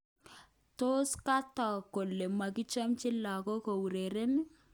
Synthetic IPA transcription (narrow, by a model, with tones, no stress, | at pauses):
to˦ska˦tɔ˨ko˨lːe˨ma˨kɪ˦t͡ʃa˦mt͡ʃɪ˦la˨kɔ˦ko˨wu˨ɾe˨ɾe˦n